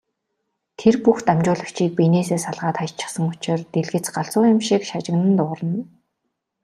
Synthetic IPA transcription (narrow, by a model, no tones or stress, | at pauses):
t̪ʰerpuxt̪amt͡ɕʊːɮə̆kt͡ɕʰiːk̚pineːseːsaɮʁaːt̪χajt͡ɕɪ̆χsə̆ŋʊt͡ɕɪ̆rt̪eɮɣɘ̆t͡sɢaɬt͡sʊːjɪ̆mʃikʃat͡ɕɪ̆ɣnə̆nt̪ʊːɾə̆n